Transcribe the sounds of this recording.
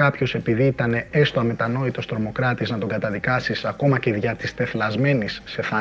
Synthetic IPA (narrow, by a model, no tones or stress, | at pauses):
ɐpço̞se̞piðiit̪ɐne̞est̪oɐme̞t̪ɐno̞it̪o̞st̪ɾo̞mo̞kɾɐt̪iznɐt̪o̞ɡɐt̪ɐðikɐsisɐko̞mɐceðʝɐt̪ist̪e̞flɐzme̞nisːe̞θɐ